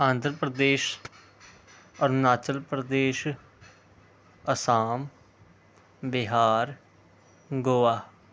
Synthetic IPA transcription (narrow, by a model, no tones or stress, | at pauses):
ãːnd̪ʱɾpɾəd̪eːʃ | əɾnaːt͡ʃəlpɾəd̪eːʃ | əsaːm | bɪɦaːɾ | ɡoːaː